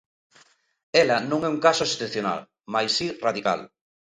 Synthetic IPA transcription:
ɛlɐnõŋɛũŋkasoesθeθjona̰l | majsiraðika̰l

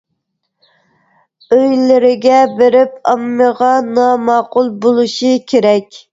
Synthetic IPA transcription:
øjlɪɾɪɡʲɛbeɾɪp̚ɑmːəʁɑnɑmɑːqʊlˠbolˠuʃikʲʰeɾɛkʲ

